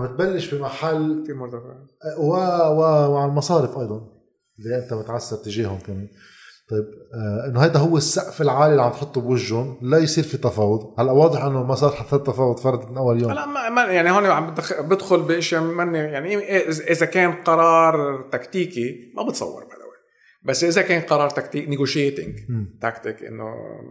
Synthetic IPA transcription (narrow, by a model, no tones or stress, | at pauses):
mbɪt̪̚balːɪʃbɪmaħalːimʊt̪afʕwawɪwʕalmɑsˤɑːɾɪfʔɑjd̪ˤɑn | lːiʔɪnt̪amʊt̪ʕasːaɾt̪ːɪʒeːhʊmkameːn | t̪ˤɑjːb̚ʔɪnːoɦajd̪aɦʊwːɪsːaʔfɪlʕaːlilːiʕamt̪ħʊt̪ˤːubwɪʒːʊnlajsˤiːɾfit̪ɑfɑːwʊd̪halːaʔwɑːd̪ˤɪħʔɪnːomasˤɑːɾˤt̪ħaθːɑɾt̪ːɑfɑːwʊd̪ˤfɑɾˤɑd̪ˤmɪnʔawːaljoːmlaʔmamajaʕnihoːniʕambɪd̪bɪd̪xʊlbiʔɪʃjamanːejaʕniʔʔʔɪzakeːnqɑɾˤɑːɾˤt̪akt̪iːkimʔa̰bɪt̪sˤɑ̰wːɑ̰ɾˤba̰d̪a̰wi | basːʔɪzakeːnqɑɾˤɑːɾˤt̪akt̪iːknɪɡoʃjeːt̪ɪ̰̃ŋɡmt̪akt̪ɪkʔɪ̰nːo̰